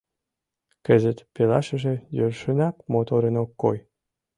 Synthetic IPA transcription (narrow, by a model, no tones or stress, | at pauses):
kəzə̆t̪pelɑʃə̆ʒĕjørʃənɑkmot̪oɾənokːoj